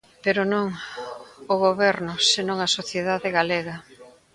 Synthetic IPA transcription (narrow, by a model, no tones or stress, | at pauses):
peɾʊnõŋ | ʊɣoβɛɾnʊsenõŋasoθjeðaðɪɣaleɣɐ